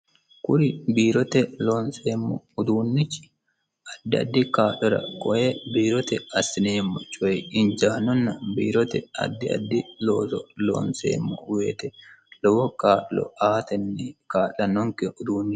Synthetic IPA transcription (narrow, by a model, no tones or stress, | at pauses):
kʊɾɪbiːɾɔt̪ɛloːnseːmːɔ̰ʊd̪uːnːɪt͡ʃːɪ̥ | ɐd̪ːɪɐ̰d̪ːɪkaːlɔɾɐ̰kʼɔʔebiːɾɔt̪ɛɐsɪneːmːɔt͡ʃʼʊɛɪnd͡ʒaːnɔnːɐbḭːɾɔt̪ɛɐ̰d̪ːɪɐ̰d̪ːɪloːsɔlo̰ːnsḛːmːɔ̰weːt̪ɛlɔwɔkaːlɔ̰aːt̪ɛnːɪkaːʔɐnɔŋkɛʊd̪uːnːɪ